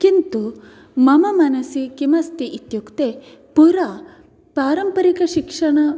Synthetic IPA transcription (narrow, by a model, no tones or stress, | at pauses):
kint̪u | mɐmɐmɐnɐsikimɐst̪iʔit̪jukt̪e | puɾa | pɾaːɾɐmpɐɾikɐʃikʂɐɳɐ